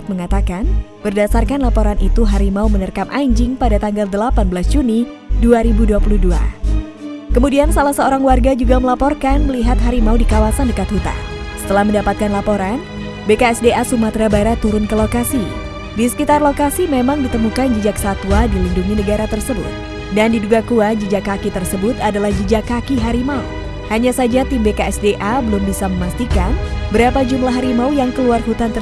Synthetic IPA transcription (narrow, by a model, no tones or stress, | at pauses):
t̪̚məŋat̪akanb̥ərdasarkanlapoɾanʔit̪uɦaɾimaumənərkamʔaɲd͡ʒɪŋpadat̪aŋɡaldəlapanbəlas̬d͡ʒuni | duaɾibuduapuludua̰ | kəmudiansalahsəoɾaŋwarɡad͡ʒuɡaməlapɔrkanməliɦat̪ɦaɾimaudikawasandəkat̪hut̪a̰nsə̥t̪əlahməndapat̪̚kanlapoɾan | bekaɛsdeʔasumat̪ɾabaiɾat̪uɾʊnkəlokasi | disə̥kit̪arlokasimemaŋdit̪əmukand͡ʒid͡ʒakə̥sat̪uadilinduŋinəɡaɾat̪ərsəbʊ̰t̪̚ | dandiduɡakuad͡ʒid͡ʒakakit̪ərsəbʊt̪adalahd͡ʒid͡ʒakakiɦaɾimau | haɲasad͡ʒat̪imbekaɛsdeʔabəlʊmbisaməmast̪ikanbəɾapad͡ʒumlaɦaɾimaujaŋkəluarhut̪ant̪ə